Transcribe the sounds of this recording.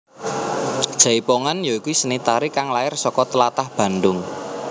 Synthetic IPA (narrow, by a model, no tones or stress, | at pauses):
d̥ʒ̥a̤ipoŋanjɔikusənit̪aɾikaŋlaɪrsɔkɔt̪əlat̪ahb̥ä̤ndʊŋ